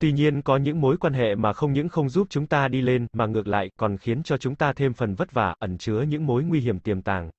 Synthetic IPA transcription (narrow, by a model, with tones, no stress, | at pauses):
t̪wi˧ɲi˧ənkɔ˨˦ɲɨ̰˧˥ŋmo˨˦jkwaː˧nɦḛ˧˨maː˨˩xə˧wŋ͡mɲɨ̰˧˥ŋxə˧wŋ͡mzu˦˥p̚t͡ɕʊ˨˦ŋ͡mt̪aː˧ɗi˧le˧nmaː˨˩ŋɨ˨˩ək̚la̰ː˧˨jkɔ˨˩nxi˨˦ənt͡ɕɔ˧t͡ɕʊ˨˦ŋ͡mt̪aː˧t̪ʰe˧mfə˨˩nvə˦˥t̚vaː˧˩ʔə˧˩nt͡ɕɨ˨˦əɲɨ̰˧˥ŋmo˨˦jŋwi˧ɦi˧˩əmt̪i˨˩əmt̪a̰ː˨˩ŋ